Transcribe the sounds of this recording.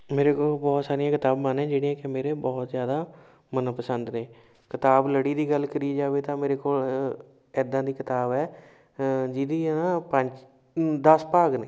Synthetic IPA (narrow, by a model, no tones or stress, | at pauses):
meːɾeːkoːlbɔːt̪saːɾɪjãːkɪt̪aːbmanɛ̃ːd͡ʒeːɽ̃iːɛ̃ːkɪmeːɾeːbɔːt̪zjaːd̪aː | mənãːpəsənd̪nẽː | kɪt̪aːbləɽiːd̪iːɡəlkəɾiːd͡ʒaːʋeːt̪ãːmeːɾeːkoːl | ɛːd̪ãːd̪iːkɪt̪aːbɛː | d͡ʒid̪iːnãːpəɲd͡ʒ | d̪əspaːɡneː